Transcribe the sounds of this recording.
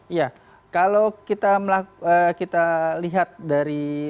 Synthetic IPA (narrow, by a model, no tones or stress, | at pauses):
ija | kalokit̪aməlakəkit̪aliɦat̪̚daɾi